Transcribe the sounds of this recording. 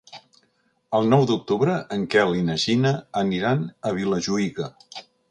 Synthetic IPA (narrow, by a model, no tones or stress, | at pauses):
əlˠnɔwd̪uk̚t̪uβɾəʔəŋkɛlinəʒinəːniɾanəβ̞iləʒuiɣə